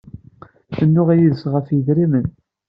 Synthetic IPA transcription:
θənːʊʁæjiðəsʁəfjəðɾimən

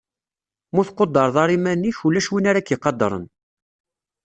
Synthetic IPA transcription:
muθqːod̪ːɑɾˤðɑɾˤimænːiçulːæʃwinaɾækjiqːɑd̪ˤːɾˤə̰n

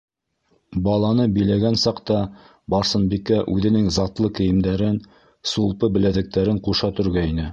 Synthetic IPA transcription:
bɑlˠɑnɤbɘ̆jlæɡænsɑqt̪ɑ | bɑɾsɤ̆nbikæʔʉðɘ̆nɘŋzɑt̪lˠɤkɘ̆jɘ̆md̪æɾɘn | sulˠpɤbɘ̆læðɘ̆k̚t̪æɾɘɴquʃɑt̪ɵ̆ɾɡæinɘ

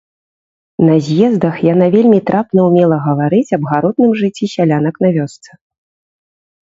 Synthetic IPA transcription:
nɐzʲjɛzd̪ɐxjanavʲelʲmʲit̪ɾʔapnɐwmʲɛlˠɐɣɐvaɾɨt͡sʲɐbɣaɾɔd̪nɨmʐɨt͡sʲːisʲalʲanɐknɐvʲɔst̪sɨ

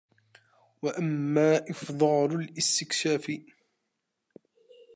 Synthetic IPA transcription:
waʔamːaːʔɪfd̪ˤɑːlʊlʔɪst̪ɪkʃaːfɪ

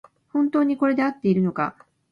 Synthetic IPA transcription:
hõ̞nt̪o̞ːɲ̟iko̞ɾe̞d̪e̞at̪ːe̞iɾɯ̟no̞ka̰

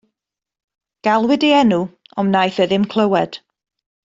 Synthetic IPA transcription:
ɡ̥alˠwɪdiɛnuɔmnajθəðɪmkʰl̥ˠəwɛd̥

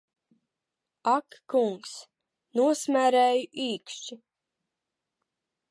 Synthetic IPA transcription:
akːuŋks | nuɔsmʲæɾɛːjuʔiːkʃt͡ʃi

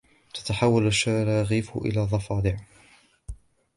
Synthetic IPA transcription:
t̪ḁt̪aħawːalaʃːad͡ʒaɾaɣiːfʊ̰ʔɪ̰laːðˤɑfɑːd̪ˤɪʕ

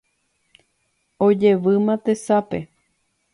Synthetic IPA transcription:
od͡ʒe̞ʋɨmãt̪esape

